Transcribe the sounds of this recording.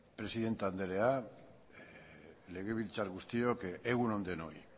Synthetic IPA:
pɾe̞siðe̞nt̪and̪eɾe̞a | le̞ɣeβilt͡saɾɣust̪iokeeɣuno̞nd̪e̞noj

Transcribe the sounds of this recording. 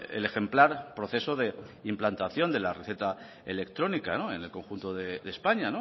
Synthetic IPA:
ḛle̞xe̞mplaɾpɾoθe̞so̞ðe̞implant̪aθjo̞nd̪e̞lare̞θe̞t̪a | ele̞kt̪ɾo̞nikanoe̞nelko̞ŋxunt̪oðeðe̞spaɲano

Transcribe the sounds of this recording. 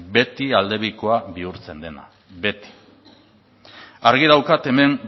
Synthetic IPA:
be̞t̪iald̪e̞βiko̞aβiuɾt͡se̞nd̪e̞na̰ | be̞t̪i̥ | aɾɣiðawkat̪e̞me̞m

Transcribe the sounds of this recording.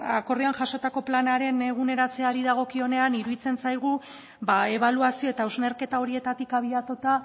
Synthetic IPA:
ako̞rianʝaʃo̞t̪ako̞planaɾe̞neɣune̞ɾat͡se̞aɾiðaɣ̞o̞kio̞ne̞aniɾuðit͡se̞nsajɣ̞u | bae̞βaluasio̞e̞t̪aezne̞ɾke̞t̪ao̞ɾie̞t̪at̪ikaβ̞iat̪ut̪a

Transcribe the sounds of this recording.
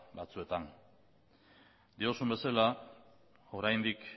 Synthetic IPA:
bat͡sue̞t̪an | d̪io̞sumbe̞sala | o̞ɾajnd̪ik

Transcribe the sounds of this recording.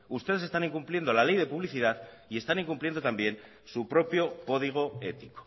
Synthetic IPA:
ust̪eðe̞se̞st̪aniŋkumplje̞nd̪o̞lale̞jðe̞puβ̞liθiðað | ie̞st̪aniŋkumpljend̪ot̪ambje̞n | supɾo̞pjo̞ko̞ðiɣ̞o̞e̞t̪i̥ko̥

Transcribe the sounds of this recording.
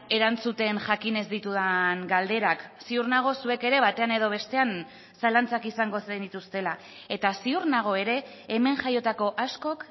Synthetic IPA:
e̞ɾant͡sut̪e̞nʝakine̞zd̪it̪uðaŋɡald̪e̞ɾaksiurnaɣ̞o̞sue̞ke̞ɾe̞βat̪e̞ane̞ðo̞β̞e̞st̪e̞an | salant͡sakisaŋɡo̞send̪it̪ust̪e̞la | e̞t̪asiuɾnaɣ̞o̞e̞ɾe̞ː | me̞ŋʝajo̞t̪ako̞ʔasko̞k

